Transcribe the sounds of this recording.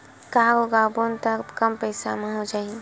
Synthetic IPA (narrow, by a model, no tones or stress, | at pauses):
kaoɡabont̪əkkəmpəɪsamẽɦod͡ʒai